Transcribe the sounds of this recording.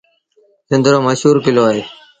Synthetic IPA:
kɪnd̪ɾõːməʃɦuːɾkɪloːaɦeː

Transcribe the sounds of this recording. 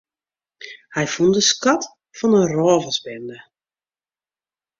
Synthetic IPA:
hɛjfundəskɑt | fɔnənrɔːvəsbɛndə

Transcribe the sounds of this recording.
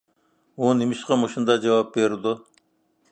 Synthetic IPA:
onimɪʃqɑmoʃund̪ɑd͡ʒɑwɑp̚beɾd̪ʊ

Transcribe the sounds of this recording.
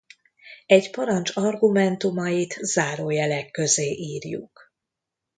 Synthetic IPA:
ɛɟpɒɾɒnt͡ʃɒrɡumɛnt̪umɒjit̪z̥aːɾoːjɛlɛkːøzeːʔiːrjṵk

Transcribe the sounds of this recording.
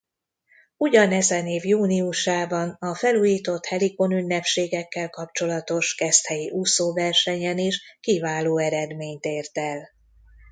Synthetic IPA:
uɟɒnɛzɛneːvjuːniuʃaːbɒnɒfɛluːjiːt̪o̞t̪hɛliko̞nynːɛpʃeːɡɛkːɛlkɒpt͡ʃo̞lɒt̪o̞ʃkɛst̪hɛjiʔuːsoːvɛrʃɛɲɛniʃkivaːloːɛɾɛd̪meːɲt̪eːrt̪ɛl

